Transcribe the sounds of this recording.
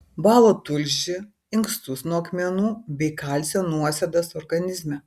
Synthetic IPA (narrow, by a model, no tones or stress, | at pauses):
bɑːlˠoːt̪ʊlʲʒʲɪ | ɪŋkst̪ʊsnuɐkmʲɛnuːbʲɛɪkɐlʲsʲɛnuɔsʲɛd̪ɐsɔɾɡɐnʲɪzʲmʲɛ